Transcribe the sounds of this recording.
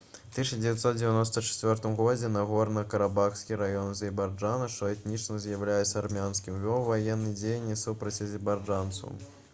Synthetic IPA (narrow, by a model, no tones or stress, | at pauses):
t̪ɨʂɐd͡zʲɪvʲɛt̪sɔt̪d͡zʲɪvʲanɔst̪ɐt͡ʂɛ̥t͡sʲvʲɔrt̪ɨmɣɔd͡zʲɛnɐɣɔrnɐkɐɾabaxsʲkʲiɾajɔnzʲɪbard͡ʐanɐʂt̪ɔɛt̪nʲit͡ʂnɐzjɐwlʲajɛsʲɐarmʲanskʲimvʲɔvajɛnːɨd͡zʲejnʲːisupɾɐt͡sʲɐzʲɛbad͡ʐant̪sɐ̰